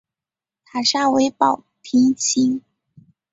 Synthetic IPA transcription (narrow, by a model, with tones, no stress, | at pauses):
t̪ʰa˨˩ʂa˥˩we˧˥ɪpɑ˨˩ʊpʰi˧˥ŋt͡ɕʰi˥ŋ